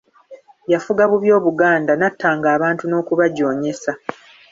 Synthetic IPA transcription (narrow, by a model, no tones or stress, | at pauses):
jafuɡaβuβjo̞ːβuɡaːndanatːaːŋɡaːβaːntuno̞ːkuβaɟo̞ːɲe̞sa